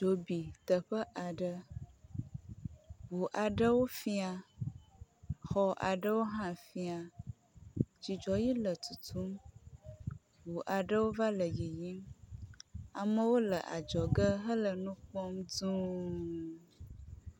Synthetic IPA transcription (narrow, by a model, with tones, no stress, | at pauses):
d͡ʒo˨bi˨t̪ə˨ɸə˦ʔa˨ɖə˦ | wu˨ʔa˨ɖə˦wo˦fi˦a˨ | xɔ˨ʔa̰˨ɖə˦wo˦ɦã˦fi˦a˨ | d͡ʒi˨d͡ʒɔ˨ji˦lə˨t̪u˨t̪ʰu˦m | wu˨ʔa˨ɖə˦wo˦va˦lə˨ji˨ji˦m | a˨mə˦wo˦lə˨ʔa̰˨d͡ʒɔ˨ɡə˦ɦə˦lə˨nũ˦k͡pɔ˦mdũ˦